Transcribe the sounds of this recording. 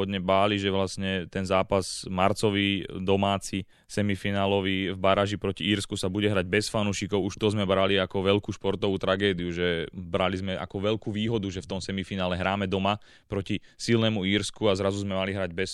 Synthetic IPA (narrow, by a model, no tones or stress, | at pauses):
ɔd̪ɲɛbaːliʒɛʋlasɲɛt̪ɛnzaːpaz̥maɾt͡sɔʋid̪ɔmaːt͡si | sɛmifinaːlɔʋivbaɾaʒipɾɔciiːɾskusabuɟɛɦɾaɟ̚bɛsfanuːʃikɔʊuʃt̪ɔzmɛbɾaliakɔʋɛʎkuːʃpɔɾt̪ɔʋuːt̪ɾaɡɛːd̪iuʒɛbɾalizmɛʔa̰kɔʋɛʎkuːʋiːɦɔd̪uʒɛft̪ɔmsɛmifinaːlɛɦɾaːmɛd̪ɔma | pɾɔcisilnɛmuiːɾskuazɾazuzmɛmaliɦɾaɟbɛs